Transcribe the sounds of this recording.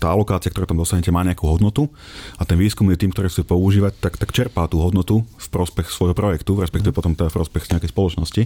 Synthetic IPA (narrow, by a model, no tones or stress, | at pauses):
t̪aːalɔkaːt͡sɪakt̪ɔɾɛːt̪amd̪ɔsaɦɲɛcɛmaːɲɛakuɦɔd̪nɔt̪u | at̪ɛnʋiːskumjɛt̪iːmkt̪ɔɾiːxt͡suɛpɔuʒiːʋac̚t̪akt̪akt͡ʃɛɾpat̪uːɦɔd̪nɔt̪ufpɾɔspɛxsʋɔjɦɔpɾɔjɛkt̪uɾɛspɛkt̪iʋɛpɔt̪ɔmt̪ɛd̪afpɾɔspɛxɲɛakɛjspɔlɔt͡ʃnɔsci